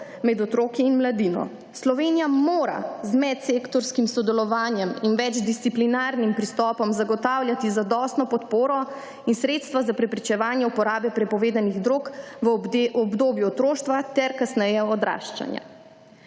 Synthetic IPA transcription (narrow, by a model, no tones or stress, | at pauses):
mɛd̪ɔt̪ɾoːkiːnmlad̪iːnɔ̰ | slɔʋeːnijamoːɾa̰zmɛt̪sekt̪ɔɾskimsɔd̪ɛlɔʋaːnjɛminʋɛd͡ʒd̪ist̪siplinaːɾnimpɾist̪ɔːpɔmzaɡɔt̪aːwlʲjat̪izad̪ɔːst̪nɔpɔt̪poːɾɔ | insɾeːt̪st̪ʋazapɾɛpɾit͡ʃɛʋaːnjɛupɔɾaːbɛpɾɛpɔʋeːd̪aniɣd̪ɾoːkʋɔbd̪oːbjuɔt̪ɾoːʃt̪ʋat̪ɛɾkasnɛjɛɔd̪ɾa̰ːʃt͡ʃa̰nja̰